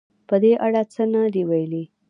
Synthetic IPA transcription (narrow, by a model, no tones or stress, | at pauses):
pəd̪eʔaɽat͡sənad̪iwajli